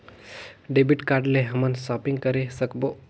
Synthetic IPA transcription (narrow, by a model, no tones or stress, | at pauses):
ɖebiʈkaɾɖlẽɦəmənsɔpiŋɡ̚kəɾesəkbo